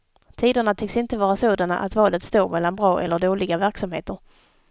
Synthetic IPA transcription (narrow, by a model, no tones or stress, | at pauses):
t̪ʰiːd̪əɳat̪ʰʏksɪnt̪əvɑːɾasoːd̪ana̰ʔa̰t̪vɑːlət̪st̪oːɾmɛlːanbɾɑːʔɛ̰lːəɖoːlɪɡavæɾksamhḛːt̪əɾ